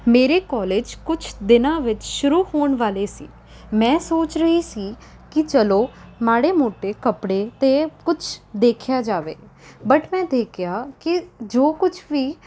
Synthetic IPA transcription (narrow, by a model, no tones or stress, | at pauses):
meːɾeːkɔːleːd͡ʒkʊt͡ʃʰd̪ɪnãːʋɪt͡ʃʃʊɾuːhoːɳʋaːleːsḭː | mɛ̃ːsoːt͡ʃɾəɦiːsiː | kɪt͡ʃəloːmaːɽeːmoːʈeːkəpɽeːt̪eːkʊt͡ʃʰd̪eːkʰjaːd͡ʒaːʋḛːbəʈmɛ̃ːd̪eːkʰjaːkɪd͡ʒoːkʊt͡ʃʰʋiː